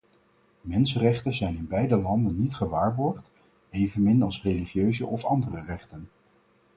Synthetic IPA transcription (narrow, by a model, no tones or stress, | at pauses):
mɛnsərɛχtənzɛjnɪnbɛjdəlɑndənːitχəʋaːɹbɔɹχt | ejvənmɪnɑlˠsrejliχjøɥzə̰ʔɔfɑndərərɛχtən